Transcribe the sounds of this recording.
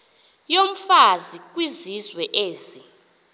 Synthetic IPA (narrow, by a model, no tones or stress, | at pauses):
jom̩fazik̬ʼwizizwɛʔeːsi